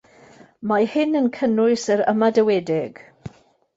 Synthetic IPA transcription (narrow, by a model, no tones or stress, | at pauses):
mahɪnənkʰənʊɨsəɾə̰madəwɛdɪɡ̥